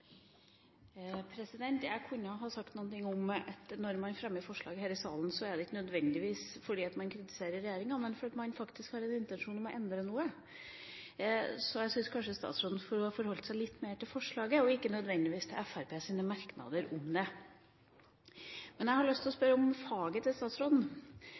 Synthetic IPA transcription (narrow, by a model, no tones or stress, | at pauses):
pʰɾɛsɪd̪ɛnt̪jæɪkʰʉnːəɦɑsɑkt̪nuːənt̪ɪŋːɔmɛt̪nɔɾmɑnfɾɛmːəfɔʂɭɑːɡəhæːɾɪsɑ̰ːln̩sɔɛɖ̪ɛɪkːənœd̪ʋɛnd̪ɪʋiːsfɔɖiːɑt̪mɑnkʰɾɪt̪ɪ̥seːɾəɾːɛjeːɾɪŋɑmɛnfɔɾɑt̪mɑnfɑkt̪ɪskhɑːɾɛnɪnt̪ɛnʂuːnɔmɔʔɛnd̪ɾənuːə | sɔjæsʏnskʰɑnʂəst̪ɑ̰ːt̪sɾoːd̪n̩fɔɾfɔɾhɔlt̪sæɪlɪt̪ːmeːʈɪlfɔʂɭɑːɡəɔɪkːənœd̪ʋɛnd̪ɪʋiːst̪ʰɪlɛfæɾpeːsiːnəmɑɾknɑ̰d̪əɾʔɔmd̪ɛ | mɛnjæhɑɭœst̪ʰɪlɔspœɾəɔmfɑːɡət̪ʰɪlst̪ɑːt̪sɾoːd̪n̩